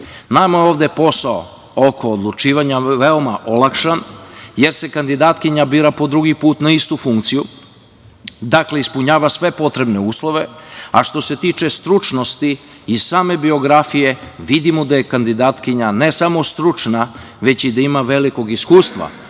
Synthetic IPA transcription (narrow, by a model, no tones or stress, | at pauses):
namaoːʋd̪epo̞sao̰ | okʰo̞ːd̪lˠut͡ʃiːʋaɲaʋeomaʔolˠakʃanje̞ɾse̞kand̪id̪aːt̪kiɲabiːɾapo̞d̪ɾuɡipuːt̪naist̪ufuŋkt̪siju | d̪akle̞ispuɲaːʋasʋe̞po̞t̪ɾe̞bne̞uːslˠo̞ʋe̞aʃt̪o̞se̞t̪iːt͡ʃe̞st̪ɾut͡ʃno̞st̪iː | z̥saːme̞bio̞ɡɾafije̞ʋid̪imud̪ajekand̪id̪aːt̪kiɲane̞samo̞st̪ɾut͡ʂna | ʋe̞t͡ɕid̪aimaʋe̞liko̞ɡiskuːst̪ʋa̰